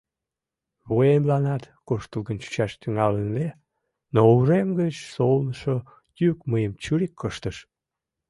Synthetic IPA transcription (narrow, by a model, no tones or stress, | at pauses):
βoemlɑnɑt̪ | koʃt̪əlɣənt͡ɕy̥t͡ɕɑʃt̪yŋɑlənle | nouɾemɡət͡ɕsolnəʃo | jykməjəmt͡ɕyɾikʰːəʃt̪əʃ